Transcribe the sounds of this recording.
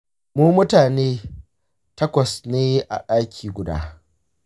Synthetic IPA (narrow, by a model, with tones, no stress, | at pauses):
muː˦mʊ˦taː˨neː˦ | tɐ˦kʷɐ˨sneː˦ʔa̰˨ɗaː˦kʲʰiː˨ɡʷʊ˨da̰ː˦